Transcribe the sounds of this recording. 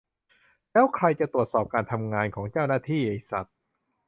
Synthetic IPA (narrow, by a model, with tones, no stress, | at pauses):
lɛː˦˥wkʰɾa˧jt͡ɕa˨˩t̪ɾu˨˩ət̪sɔː˨˩p̚kaː˧nt̪ʰa˧mŋaː˧nkʰɔː˩˦ŋt͡ɕaː˥˩wnaː˥˩t̪ʰiː˥˩na˧jsa˨˩t̪̚